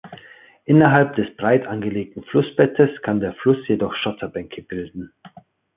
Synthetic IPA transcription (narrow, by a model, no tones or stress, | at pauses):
ʔɪnɐɦalp̚d̥ɛsb̥ʁaɪtʔanɡəleːk̚tn̩flʊsb̥ɛtəskʰandeːɐflʊsjedɔχʃɔtʰɐbɛŋkʰəbɪldn̩